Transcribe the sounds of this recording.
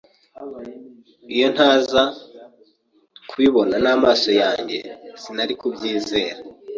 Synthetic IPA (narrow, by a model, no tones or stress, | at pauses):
ijo̞n̥haːza | kwiβo̞nanaːmaːso̞jaːɲɟe̞̰z̥inaɾikubɟiːze̞ːɾa